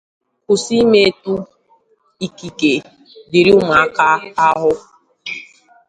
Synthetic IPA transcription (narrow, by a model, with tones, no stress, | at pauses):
ʊ˨si˦me˦e˦tu˦ | i˨ki˨ke˨ | di˨ɾi˦ʊ˦ma˨a˦ka˦a˦ɦʊ˦